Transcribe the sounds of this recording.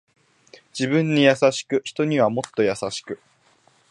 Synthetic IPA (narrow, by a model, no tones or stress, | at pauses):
d͡ʑibɯ̟̃ɲ̟ːijasaɕi̥kɯ̟çi̥t̪o̞ɲ̟iβamo̞t̪ːo̞jasaɕi̥kɯ̟